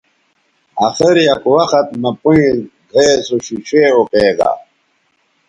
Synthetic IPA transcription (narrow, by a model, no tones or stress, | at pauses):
axiɾijɐkwɐxɐt̪̚mɐpuĩd̪ʱeːsuɕiɕeːokeːɡa̰